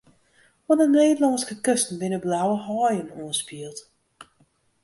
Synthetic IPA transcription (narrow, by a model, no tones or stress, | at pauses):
ʋɔnəneːdlɔŋskəkøstn̩dɪnəblawəɦɔːjənɔːənspiəlˠt